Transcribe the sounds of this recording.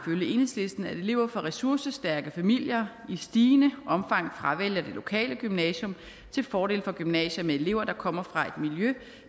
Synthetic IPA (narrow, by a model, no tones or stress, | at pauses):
føljəe̝nhḛsle̝sd̥n̩æed̥e̝le̝ʊ̰ɐfɒʁɛsuɐ̰səsd̥æɐɡ̥əfæmil̰jɐisd̥iːnəʔɒ̽mfɑ̈ŋ̰fʁaʋel̰jɐd̥e̝lo̝kʰɛ̰ːləɡ̥ymnɛɕɔ̽m | t͡sʰe̝lfɒːɾe̝̰ːlfɒ̽ɡ̥ymnɛ̰ːɕɐmee̝le̝ʊ̰ɐd̥ɑ̈kʰɒ̽m̰ɐfʁɑ̈e̝d̥miljø